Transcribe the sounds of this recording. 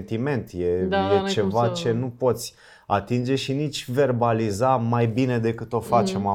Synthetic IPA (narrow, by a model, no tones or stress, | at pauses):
nt̪ime̞nt̪jejet͡ʃe̞vat͡ʃe̞nupo̞t̪sʲ | at̪ind͡ʒe̞ʃinit͡ʃʲve̞rbalizamajbine̞d̪e̞kɨt̪o̞fat͡ʃe̞ma